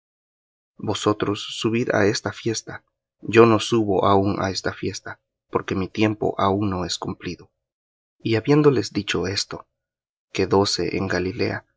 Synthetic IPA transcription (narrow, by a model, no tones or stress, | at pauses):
bo̞so̞t̪ɾo̞sːuβiða̰e̞st̪afje̞st̪a | d͡ʒo̞no̞suβo̞ʔauna̰e̞st̪afje̞st̪a | po̞ɾke̞mit̪je̞mpo̞̰ʔauŋno̞e̞skumpliðo̞ | iaβje̞nd̪o̞le̞zd̪it͡ʃo̞e̞st̪o̞ | ke̞ðo̞se̞ʔḛŋɡalile̞̰a